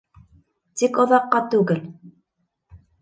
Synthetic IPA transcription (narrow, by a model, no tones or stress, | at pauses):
t͡sɪkoðɑqːɑt̪uɣəl